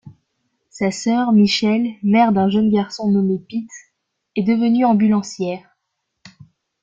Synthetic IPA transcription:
sasœʁmiʃɛlmɛʁd̪ɛ̃ʒənɡʲaʁsɔ̃nɔmepit̪ | ɛd̪əvənyɑ̃bylɑ̃sjɛːʁ

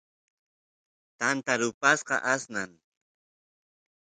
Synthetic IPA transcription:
t̪ant̪aɾʊpasqɑ̰ʔasnaŋ

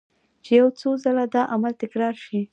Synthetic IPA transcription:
t͡ʃejawt͡sozalad̪ɑʔamalt̪ɪkɾɑɾʃi

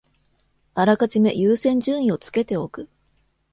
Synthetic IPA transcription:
aɾakat͡ɕime̞̰jɨːsẽ̞ɲ̟d͡ʑɨ̃ːɰ̃ĩo̞t͡sɨ̥ke̞t̪e̞o̞kɯ̟

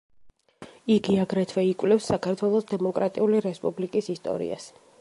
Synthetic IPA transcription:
iɡiaɡɾɛt̪ʰwɛikʼvlɛfsːakʰaɾt̪ʰwɛlˠɔsd̪ɛmɔkʼɾat̪ʼiuliɾɛspʼublikʼisist̪ʼɔ̰ɾḭa̰s

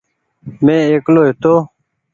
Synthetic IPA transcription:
mẽːeːkloːɦet̪oː

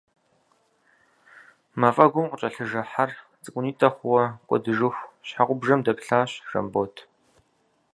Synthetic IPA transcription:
mɐfʼɐɡʷʊmqʷʊt͡ʃʼɐɬɨʒɐħar | t͡sʼɨkʷʼʊniːtʼɐχʷwɔqʷʼɔ̰dɨʐɨxʷɕħaqʷʊbʐɐmdɐpɬaːɕʒ̥ɐ̰mboːtʰ

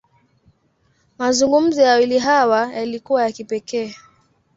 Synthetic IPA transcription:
mazuŋɡum̩zɔjawiliɦawajalikuwajakipɛkɛː

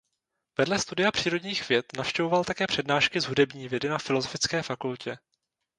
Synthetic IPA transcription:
vɛdlɛst̪udɪjapr̥iːɾo̞dɲiːxvjɛt̪nafʃcɛvo̞valt̪akɛːpr̝̥ɛdnaːʃkɪzɦudɛbɲiːvjɛdɪnafɪlo̞zo̞fɪt͡skɛːfakulcɛ

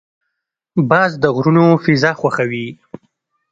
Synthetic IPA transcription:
bɑzd̪əɣɾunofɪzɑxwaxawi

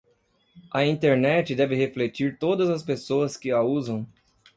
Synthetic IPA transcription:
ɐĩnt̪eɾnɛt͡ʃɪd̪ɛvɪheflet͡ʃiɾt̪od̪ɐzɐspesoɐskɪɐuzɐ̃w̃

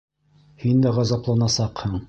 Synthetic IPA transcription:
hind̪æʁɑzɑplˠɑnɑsɑqhɤɴ

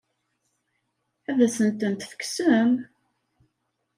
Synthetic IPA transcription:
æðæsənt̪ənt̪fə̥ksəm

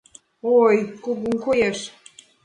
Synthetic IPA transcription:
ojkoɣuŋkojeʃ

